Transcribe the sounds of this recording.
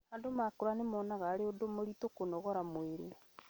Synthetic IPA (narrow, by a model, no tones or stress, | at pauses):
andomakoɾanemɔːnaɣaːɾeodomoɾitokonɔɣɔɾamweɾe